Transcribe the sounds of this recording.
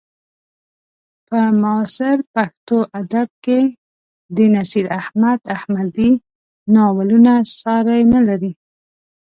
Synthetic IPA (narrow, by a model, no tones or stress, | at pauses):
pəmɑsɪɾpaxt̪oʔad̪ab̚ke | d̪ənasiɾahmad̪ahmad̪i | nɑwalunasɑɾajnalaɾi